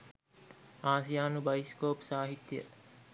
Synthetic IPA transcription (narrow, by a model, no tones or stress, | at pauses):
aːsijaːnubɐiskoːpsaːɦit̪ːjə̰